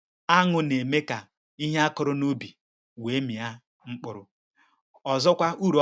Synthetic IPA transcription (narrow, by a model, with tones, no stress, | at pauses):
a˦ŋʊ˨ne˨me˦ka˨ | i˦ɦe˦a˦kʊ˨ɾʊ˦nu˦bi˨ | we˨˦mi˨a˦ | ŋ͡m̩˦k͡pʊ˨ɾʊ˦ | ɔ˨zɔ˦kʷa˦u˦˨ɾo˨˦